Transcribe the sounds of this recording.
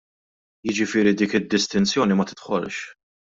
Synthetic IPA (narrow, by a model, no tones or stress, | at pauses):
jɪd͡ʒɪfɪːɾid̪iːkɪd̪ːɪst̪ɪnt͡sjɔːnimɐt̪ɪ̥t̪ħɔlʃ